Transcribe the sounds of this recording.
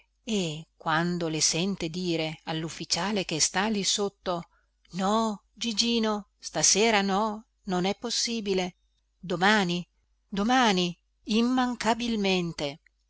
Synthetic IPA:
ekwand̪olesɛnt̪ed̪iːɾealːufːit͡ʃaːlek̟est̪alisot̪ːo | nɔ | d͡ʒid͡ʒiːno | st̪aseːɾanɔ | nonɛpːosːiːbile | d̪omaːni | d̪omaːni | imːaŋkabilment̪e

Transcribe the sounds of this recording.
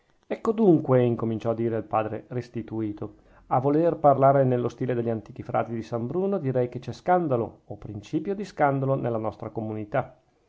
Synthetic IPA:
ɛkːod̪uŋkweiŋkomint͡ʃɔad̪ːiːɾealpaːd̪ɾerest̪it̪uiːt̪o | avolerparlaːɾenelːost̪iːled̪eʎːant̪iːk̟ifɾa̰ːt̪id̪isambɾuːnod̪iɾɛjk̟et͡ʃɛskand̪alo̰opːɾint͡ʃiːpjod̪iskand̪alonelːanɔst̪ɾakomunit̪a

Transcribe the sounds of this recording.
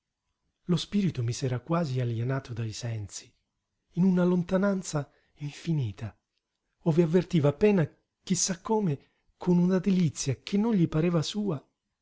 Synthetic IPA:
lospiːɾit̪umisɛːɾakwaːzialjenaːt̪od̪aisɛnsi̥ː | nunalont̪anant̪sa | iɱfiniːt̪ʰa | oːveavːert̪iːvaːpːɛːna | k̟isːakːoːme | kʰonunad̪elit̪sːjak̟ʰenːonʎipaɾɛːvasuːa

